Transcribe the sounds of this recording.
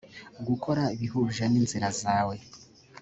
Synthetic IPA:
ɡuko̞ɾaiβiɦuːʒaniːnziɾazaːwe̞

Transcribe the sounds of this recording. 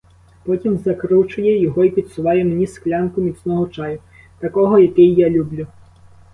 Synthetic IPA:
pɔtʲimzɐkɾut͡ʃʊjɛjɔɦɔipʲid̪sʊʋɑjɛmnʲisklʲankʊmʲit̪snɔɦɔt͡ʃajʊ | t̪ɐkɔɦɔjakɪjːalʲublʲu

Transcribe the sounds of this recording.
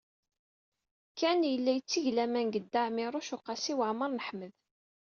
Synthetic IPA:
kːænjəlːæjət͡sːiʝlæmænɡəd̪ːaʕmɪɾˤʊʃʊqɑsiwaʕməɾˤnəħməð

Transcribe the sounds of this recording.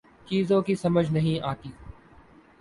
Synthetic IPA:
t͡ʃiːzõːkiːsɐməd͡ʒʱnəɦĩːʔaːk̪iː

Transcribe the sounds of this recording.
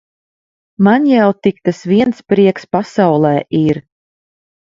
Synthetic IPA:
manjawt̪ik̚t̪asviɛnspɾiɛkspasawlˠɛːʔiɾ

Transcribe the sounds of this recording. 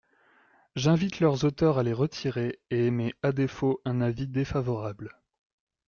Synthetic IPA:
ʒɛ̃vit̪lœʁzot̪œʁaleʁət̪ʰiʁeeemead̪efoʔɛ̃navid̪efavɔʁabl

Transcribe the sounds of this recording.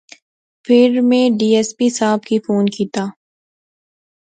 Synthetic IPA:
pʰɪɾmẽɖiːɛːspisaːbkifoːnkiːt̪aː

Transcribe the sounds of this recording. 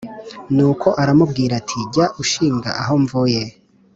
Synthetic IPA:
nuːkʰo̞ʔaɾamub̚ɡiːɾatʰiɟaʔuʃiːŋɡa̰ʔaɦo̞ɱvuje

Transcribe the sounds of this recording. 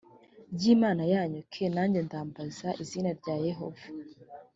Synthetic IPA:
ɟiːmaːnajaːɲukʰenaːɲɟendaːmbazaʔiziːnaɾɟaːjeɦo̞vḁ

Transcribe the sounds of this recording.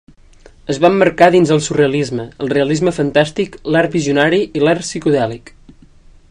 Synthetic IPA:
əzβamːəɾkaðinzəlˠsureəlizməəlˠreəlizməfənt̪ast̪iklaɾbiziunaɾiilarsikuðɛlik

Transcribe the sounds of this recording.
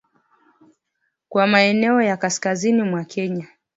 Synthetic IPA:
kwamaɛnɛɔjakaskazinimwakʰɛɲa

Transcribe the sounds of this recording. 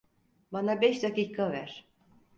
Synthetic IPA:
banabɛʃd̪akiːkʰavæɾ̥

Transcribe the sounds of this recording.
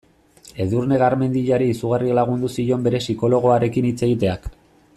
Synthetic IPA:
e̞ðurne̞ɣaɾme̞nd̪iʎaɾiːsuɣarilaɣ̞und̪usiʎo̞mbe̞ɾe̞siko̞lo̞ɣ̞o̞aɾe̞kinit͡se̞ɣit̪e̞ak

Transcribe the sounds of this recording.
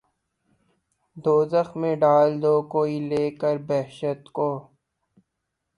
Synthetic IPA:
d̪oːzəxmẽɖaːld̪oːkoːileːkəɾbɛːɦʃət̪koː

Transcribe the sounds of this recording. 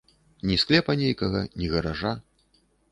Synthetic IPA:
nʲisklʲɛpɐnʲejkɐɣɐnʲiɣɐɾaʐa

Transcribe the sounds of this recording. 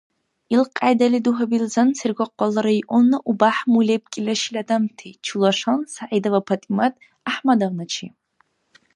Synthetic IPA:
ilqʼajdaliduɦabilzɐnsɨrɡʷɔqʷːɔlɐɾaiʔʷɔnːɐʔubaħmuleb̚kʲʼɪlʲɐʃilʲadamtʰejt͡ʃʰulaʂansaʕidɐvapʰatʼimatʼ | aħmadaʁnat͡ʃʰḭ

